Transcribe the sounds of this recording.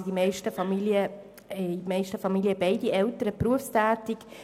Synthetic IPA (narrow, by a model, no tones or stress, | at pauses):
d̥imɛɪʃtəfɑmilə | mɛɪʃtəfɑmiliəbɛɪdiɛltəɾəpɾuəfstæːtɪk